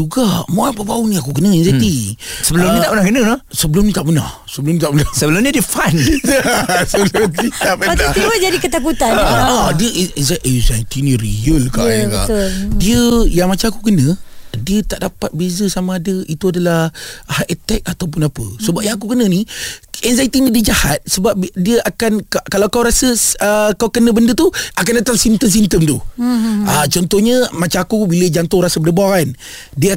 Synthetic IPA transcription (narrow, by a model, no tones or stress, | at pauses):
d͡ʒuɡamoapəbaunĩakukənə̃inzet̪isəbəlumɲət̪aʔpənahkənə̃lasəbəlʊmɲit̪aʔpənahsəbəlumnit̪aʔpənahsəbəlʊmɲədiəfan | səbəlʊmnit̪aʔpəatat̪iwəd͡ʒadikət̪akut̪annadiəʔiizaʔəzant̪inĩɾijəlkaəka̰ʔldiəjaŋmat͡ʃamakukənə̃diət̪aʔdapat̪̚bezəsamaːdəit̪uadalahhaʔet̪ɛk̚at̪awp̬ʊnapə̰səbap̚jaŋakukənəniɛnzajt̪inidid͡ʒahat̪̚səbap̚diəʔakankakalawkawɾasəəkawkənəbəndət̪uʔakandat̪aŋsint̪əms̬int̪əmt̪u | ət͡ʃɔnt̪ɔhɲəmat͡ʃaŋakubiləd͡ʒant̪ohɾasəbənəbaan | diə